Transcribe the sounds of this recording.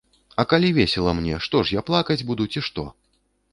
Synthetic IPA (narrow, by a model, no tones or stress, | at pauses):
ɐkalʲivʲesʲɛlˠɐmnʲɛ̰ʂt̪ɔʂjaplˠakɐd͡zʲbud̪ut͡sʲiʂt̪ɔ